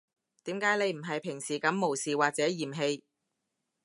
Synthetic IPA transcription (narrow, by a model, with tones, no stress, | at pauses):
t̪iː˨˥mkaː˨˥jne˨˧jm̩˨˩ɦɐ˨jpʰɪ˨˩ŋsiː˨˩kɐ˨˥mːo˨˩wsiː˨˩waː˨k̚t͡sɛː˨˥jiː˨˩mɦe˧j